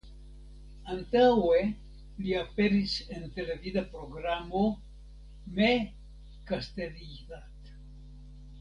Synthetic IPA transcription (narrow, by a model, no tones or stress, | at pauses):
antawe̞ | liape̞ɾise̞nte̞le̞vidapɾo̞ɡɾamo̞ | me | kaste̞liðat